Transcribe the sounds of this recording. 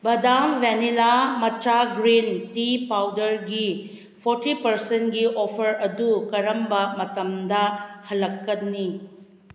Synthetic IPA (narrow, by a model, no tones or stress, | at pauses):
bɐdaŋʋenilamɐt͡ʃaɡɾintipawdɐɾɡi | pʰoɾtipɐɾsentɡiʔopʰɐɾɐdukɐɾɐmbɐmɐtɐmdɐhɐlːɐkːɐdni